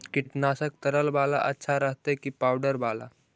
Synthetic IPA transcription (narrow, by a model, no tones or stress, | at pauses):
kiʈnasək̚t̪əɾəlbala̰ʔətːɕʰaɾəɦt̪ekiːpawɖəɾbala̰